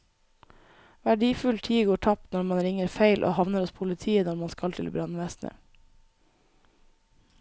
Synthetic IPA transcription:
ʋæɖiːfʉlt̪ʰiːɡoːʈʰɑp̚t̪nɔɾmɑnɾɪŋəɾfeɪlʔo̰ːhɑʋnəɾɔspʰʊlɪt̪ʰiːənɔɾmɑnskɑlt̪ʰɪ̰lbɾɑnʋɛsnʔə̰

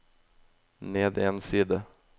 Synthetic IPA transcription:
neːd̪ɛnsiːd̪ə

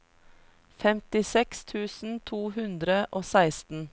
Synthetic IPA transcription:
fɛmt̪ɪsɛkst̪ʰʉːsn̩t̪ʰuːhʉnd̪ɾəʔoːsæɪst̪n̩

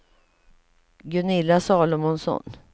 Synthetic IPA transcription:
ɡɵnɪlːasɑːlʊmʊnsɔ̰n

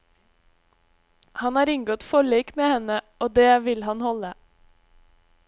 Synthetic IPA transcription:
hɑnɑːɾɪŋɡɔt̪fɔɭeːkmeːhɛnəʔoːd̪eːʋɪlhɑnhɔlə

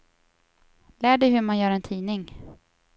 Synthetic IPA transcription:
læːɖɛjɦɵmanjœːɾɛnt̪ʰiːnɪŋ

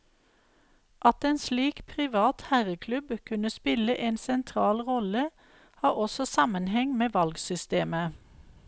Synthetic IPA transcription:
ʔɑt̪eːnsliːkpʰʁɪʋɑːt̪hæʁəkʰlʉbkʰʉnəspɪləʔeːnsɛnt̪ʰʁɑːlʁɔlə | hɑːɔsɔsɑmənhɛŋmeːʋɑlɡsʏst̪eːmə

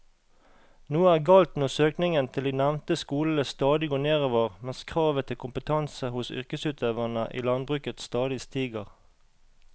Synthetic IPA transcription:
nuːæːʁɡɑːlt̪nɔʁsøːknɪŋənt̪ʰɪld̪iːnæʋnt̪əskuːləst̪ɑːd̪ɪɡoːneːʁoːʋəʁmɛskʰʁɑːʋət̪ʰɪlkʰʊmpət̪ʰɑnsəhʊsʏ̰ʁkəsʉːt̪ʰeːʋəʁnəʔḭːlɑnbʁʉːkət̪st̪ɑːd̪ɪst̪iːɡəʁ

